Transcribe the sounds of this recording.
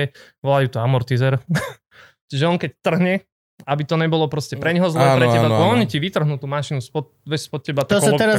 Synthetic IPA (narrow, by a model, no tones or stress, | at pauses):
ɛʋɔlajuːt̪ɔamɔɾt̪izɛɾ | t͡ʃiʒɛɔŋkɛct̪r̩ɦɲɛ | abit̪ɔɲɛbɔlɔpɾɔscɛpɾɛɲɦɔzlɛːpɾɛɛbaɔɔɲiciʋit̪r̩ɦnut̪uːmaʃinuspɔʋɛspɔt̪̚cɛbat̪ɔkt̪ɛɾa